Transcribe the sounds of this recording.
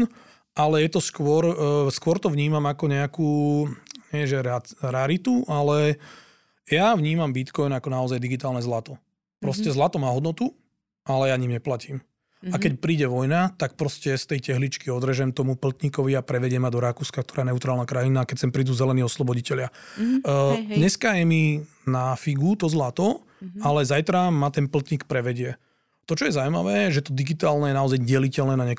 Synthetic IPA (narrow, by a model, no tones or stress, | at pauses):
ʔalɛjɛt̪ɔskʊɔɾskʊɔɾt̪ɔʋɲiːmamakɔɲɛakuː | ɲɛʒɛɾaɾaɾit̪uʔalɛ | jaʋɲiːmambit̪kɔjnakɔnaɔzajd̪iɡit̪aːlnɛzlat̪ɔ | pɾɔscɛzlat̪ɔmaːɦɔd̪nɔt̪u | ʔalɛjaɲiːmɲɛplaciːm | akɛcpɾiːɟɛʋɔjnat̪ak̚pɾɔscɛst̪ɛjcɛɦlit͡ʃkiɔd̪ɾɛʒɛmt̪ɔmupl̩t̪ɲikɔʋiapɾɛʋɛɟɪɛmad̪ɔɾakuːskak̚t̪ɔɾajɛnɛut̪ɾaːlnakɾajinakɛcsɛmpɾiːd̪uːzɛlɛniːɔslɔbɔɟicɛlɪa | d̪ɲɛskajɛmi | nafiɡut̪ɔzlat̪ɔ | alɛzajt̪ɾamat̪ɛnpl̩t̪ɲikpɾɛʋɛɟɪɛ | t̪ɔt͡ʃɔjɛzawjma̰ʋɛːʒɛt̪ɔd̪iɡit̪aːlnɛjɛnaɔzajɟɛlicɛlnɛːnaɲɛk